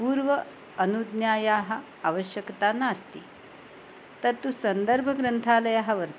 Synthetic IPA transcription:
puːɾʋəː | nud̪njaːjaɦɐ | aʋəɕjəkt̪anaːst̪iː | t̪əɾt̪usənd̪əɾbʱəɡɾənt̪ʰaləjaɦaʋəɾt̪

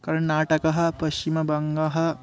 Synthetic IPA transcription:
kɐɾɐɳnaːʈɐkɐɦɐ̆pɐɕt͡ɕimɐbɐŋɡɐɦɐ̆

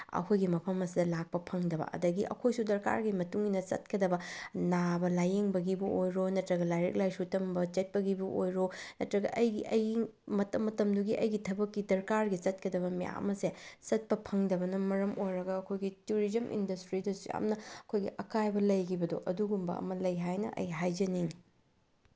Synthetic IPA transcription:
ɐ̰kʰojɡimɐpʰɐmɐsidɐlak̚pɐpʰɐŋdɐbɐ̰ɐ̰dɐɡiʔɐ̰kʰojsudɐɾka̰ɾɡimɐtuŋinɐt͡ʃɐ̰t̚kɐdɐbɐnabɐlajeŋbɐɡibɐʔojɾonɐtɾɐɡɐlajɾḛk̚lajsutɐmbɐt͡ʃet̚pɐɡibɐʔojɾonɐtɾɐɡɐ̰ʔɐjɡiʔɐjɡi | mɐtɐmːɐtɐmduɡiʔɐjɡitʰɐbɐkːidɐɾkaɾɡit͡ʃɐt̚kɐdɐβɐmija̰ɐ̰mɐset͡ʃɐt̚pɐpʰɐŋdɐbɐnɐmɐɾɐmʔojɾɐɡɐːkʰojɡituɾizɐmʔḭndɐstɾidusja̰mnɐɐkʰojɡḭʔɐkajbɐlɐjkibɐdoʔɐduɡumbɐ̰ɐ̰mɐlɐjɦajnɐ̰ʔɐ̰jɦajd͡ʒɐniŋ

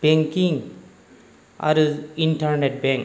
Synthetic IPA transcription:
b̥eŋkiŋ | ɐ̰ɾiɳʈaɾneʈ̚bẽŋk

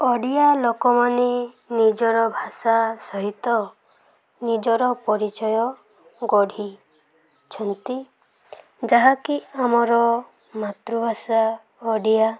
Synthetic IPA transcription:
ɔɽijalokɔmane | nid͡ʒɔɾɔbʱasasɔɦit̪ɔ | nid͡ʒɔɾɔpɔɾit͡ʃɔjɔ | ɡɔɽ̤ʱi | t͡ʃʰɔnt̪i | d͡ʒaɦakiamɔɾɔ | mat̪ɾubʱasa | ɔɽija

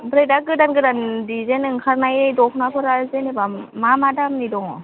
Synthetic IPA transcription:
bɾajdaɡɯdanɡɯdandizenɯŋkʰaɾnajejdɔkʰnapʰɯɾazenebamamadamnidɔŋɔ

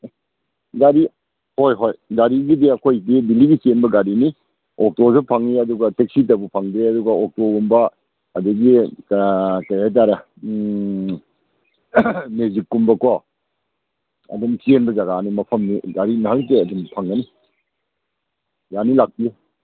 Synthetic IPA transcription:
ɡaɾi | hojɦojɡaɾiɡidiɐkʰojɡidiliɡisienbɐɡaɾini | ɔk̚tosʰupʰaŋiɐduɡɐtek̚sit̬ɐbupʰaŋdeɐduɡɐɔk̚tɔɡumbɐː | dɐɡikkɐjat̬aɾɐ | mezikːumbɐka | ɐ̰dumsienbɐzɐɡanimɐpʰɐmniɡaɾinɐɦalteɐdumpʰaŋɡɐni | janilak̚pie

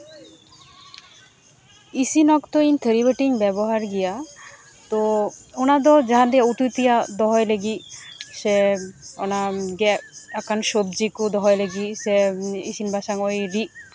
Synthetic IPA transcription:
isinɔkt̪oint̪ʰeɾibeʈiŋbɛboɦaɾɡija | t̪oonad̪ɔd͡ʒaɦand̪ijaut̪ut̪ijad̪ɔɦɔjleɡiseo̰naɡɛakanʃob̚d͡ʑikud̪ɔɦɔjleɡiseisinbʱaʃaŋojɾi

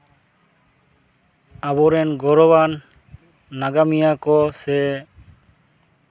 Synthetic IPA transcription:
abɔɾɛnɡɔɾɔbanː | aɡamijakɔse

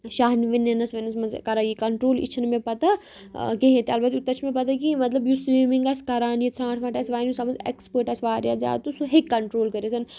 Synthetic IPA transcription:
ʃaːɦniʋɐnɐnɐsʋɐnɐsmɐzkɐɾajikɐɳʈɾoːlḭt͡ʃʰnmẽpɐt̪a | keɦẽt̪eɐlbɐt̪ut̪ːɐt͡ʃʰmẽpɐt̪akimɐt̪lɐbjusiːmiŋɡɐskɐɾaːnjit̪ʰɾãːʈʰʋãːʈɐsʋaːnjusɐmɐnzḛkspəːɾʈɐsʋaːɾjazʲa̰ːt̪usuɦekːɐɳʈɾoːlkɐɾisʰɐn

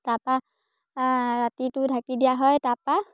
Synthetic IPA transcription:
tapa | ɹatitʊdʰʱakidijaɦɔjtapa

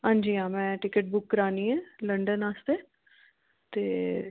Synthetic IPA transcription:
ɦãːnd͡ʒiːãːmɛ̃ːʈɪkəʈ̚bʊkːəɾaːniːɛːləɳɖənaːst̪eː | t̪eː

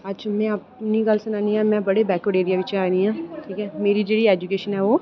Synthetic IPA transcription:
ədʃʰaːmɛ̃ːaːp̚niɡəlsʊnaːniɦɛːmɛ̃ːbəɽebɛːkoɽeːɾijaʋɪt͡ʃeaːniɦãːʈʰiːkɛːmeːɾid͡ʒeːɽiɛːd͡ʒʊkeːʃənɦɛːʋoː

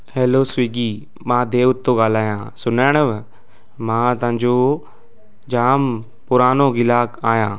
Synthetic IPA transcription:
ɦɛːloːsʋiːɡiː | mãːd̪eːʋʊt̪ːoːɡaːl̤aːjãːsʊnaːɳ̃əʋ | mãːt̪ʊ̃ɲd͡ʒoː | d͡ʒaːm | pʊɾaːnoːɡɪlaːkaːjãː

